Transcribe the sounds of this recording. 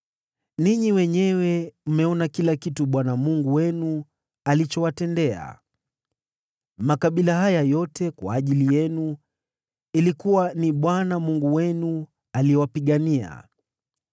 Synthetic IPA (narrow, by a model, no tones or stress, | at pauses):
niɲiwɛɲɛwɛm̩mɛɔnakilakituɓwanamuŋɡuwɛnu | alit͡ʃɔwatɛndɛa̰ | makaɓilaɦajajɔtʰɛkwa̰ːʄilijɛnu | ilikuwaniɓwanamuŋɡuwɛnu | aliɛwapiɠania̰